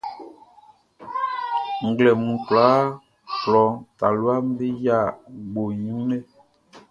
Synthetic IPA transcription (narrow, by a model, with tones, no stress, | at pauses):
ŋ˨ɡlɛ˨mũ˨klaː˨˦ | flɔ˨˦ŋta˨lwa˦m˦be˦ja˦˨ɡ͡bo˨ɲũ˦nɛ˦